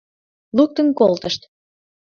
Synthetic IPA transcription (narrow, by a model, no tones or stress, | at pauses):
luk̚t̪ənkolt̪əʃt̪